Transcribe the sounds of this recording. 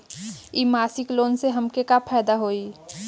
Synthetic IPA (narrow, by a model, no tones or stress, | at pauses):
imaːsɪkloːnseɦɐmkekapʰɛːd̪aɦoːi